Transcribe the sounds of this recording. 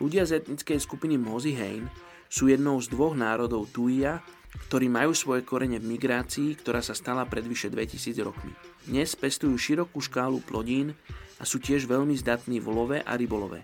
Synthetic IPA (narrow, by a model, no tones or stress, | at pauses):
luɟɪazɛt̪ɲit͡skɛjskupinimɔziɦɛ̰jn | suːjɛd̪nɔʊzd̪ʋɔɣnaːɾɔd̪ɔʊt̪uia | kt̪ɔɾiːmajuːsʋɔjɛkɔɾɛɲɛvmiɡɾaːt͡siːkt̪ɔɾaːsast̪alapɾɛd̪ʋiʃɛd̪ʋɛcisiːd͡zɾɔ̰kmḭd̪ɲɛspɛst̪ujuːʃiɾɔkuːʃkaːluplɔɟiːnasuːcɪɛʒʋɛʎmizd̪at̪niːʋlɔʋɛʔa̰ɾibɔlɔʋɛ̰